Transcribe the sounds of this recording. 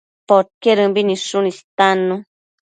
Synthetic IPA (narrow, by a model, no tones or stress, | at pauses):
poɾkeɾɨmbinĩʂunist̪anũ